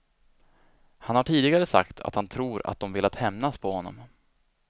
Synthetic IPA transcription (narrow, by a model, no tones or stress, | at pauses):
hanhaʈʰiːd̪ɪɡaɾəsa̰kt̪ʰa̰t̪hant̪ʰɾuːɾa̰t̪̚d̪ɔmvɪlːat̪hɛmnaspʰɔhɔnːɔ̰m